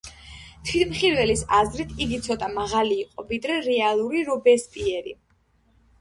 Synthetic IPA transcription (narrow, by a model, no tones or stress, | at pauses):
t̪ʰwit̪ʰmχiɾvɛlisazɾit̪ʰiɡit̪sʰɔt̪ʼamaʁaliːqʼɔvid̪ɾɛɾɛalˠuɾiɾɔbɛspʼiɛɾḭ